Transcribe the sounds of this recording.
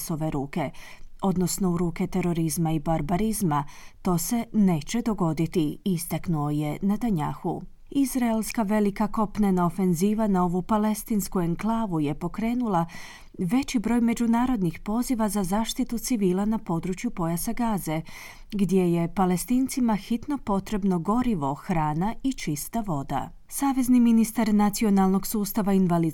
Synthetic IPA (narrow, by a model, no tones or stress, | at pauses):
so̞ʋe̞ɾuːke̞o̞d̪no̞sno̞uɾuːke̞t̪e̞ɾo̞ɾizmaibaɾbaɾizmat̪o̞ːse̞ne̞ːt͡ɕe̞d̪o̞ɡo̞d̪it̪iist̪aknuo̞je̞nad̪aɲa̰ːxṵ | izɾaelˠskaʋe̞likako̞pnenao̞fe̞nziːʋanao̞ʋupale̞st̪inskueŋklˠaːʋuje̞po̞kɾe̞ːnulˠa | ʋe̞t͡ɕibɾo̞ːjme̞d͡ʑunaːɾo̞d̪nixpo̞ziʋazazaːʃt̪it̪ut̪siʋiːlˠanapo̞d̪ɾut͡ʃjupo̞jasaɡaːze̞ | ɡd̪je̞je̞pale̞st̪iːnt̪simaxit̪no̞po̞t̪ɾe̞bno̞ɡo̞ɾiʋo̞xɾaːnait͡ʃist̪aʋo̞d̪a̰ | saːʋe̞zniminist̪aɾnat̪sio̞nalˠno̞ɡsuːst̪aʋainʋali